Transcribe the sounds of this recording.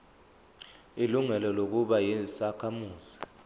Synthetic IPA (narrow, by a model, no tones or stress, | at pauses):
iluŋɛlɔlok̬uɓajisakʰamuːzi̥